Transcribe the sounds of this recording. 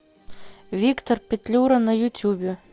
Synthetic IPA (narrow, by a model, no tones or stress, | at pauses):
vʲikt̪orpʲet̪ʲlʲuɾɐnɐjut̪ʲubʲe